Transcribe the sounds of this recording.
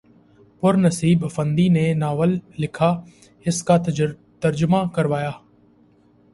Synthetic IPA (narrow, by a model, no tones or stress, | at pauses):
pʊɾnəsiːbəfə̃nd̪iːneːnaːʋəlːɪkʰaː | ɪskaː | t̪əɾd͡ʒʊmaːkəɾʋaːjaː